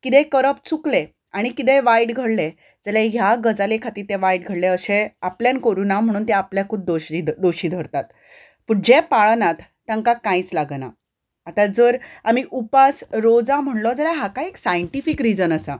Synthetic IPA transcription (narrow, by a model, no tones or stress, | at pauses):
kit̪ẽkəɾəpt͡sukle | aɽ̃ikit̪̬eʋaiɖɡʱəɽle | d͡zəlãjaɡəd͡zalekʰat̪iːɾt̪eʋaiɖɡʱəɽleəɕeapljankəɾuːnam̤əɽ̃uːnt̪ɛ̃apljakʰuːb̚d̪oɕid̪oɕiːd̪ʱəɾt̪at̪̚ | puɽd͡ʑepaɭnat̪ːãŋkakãit͡slaɡna̰ | at̪ad͡zəɾamiʔupasɾod͡zam̤əɳlɔd͡zalaɦakaeksajəɳʈifikɾid͡zənəsa̰